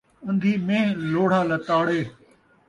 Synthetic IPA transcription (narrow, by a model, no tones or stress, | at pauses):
ɐ̃nd̪ʱiːmẽːloːɽ̤aːlət̪aːɽeː